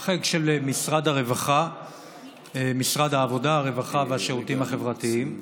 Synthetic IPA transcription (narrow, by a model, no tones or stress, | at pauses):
χeɡʃelmisʁadaʁe̞vaχa | emisʁad̪haːvo̞daaʁe̞vaχavehaʃeʁutimhaχe̞vʁat̪iim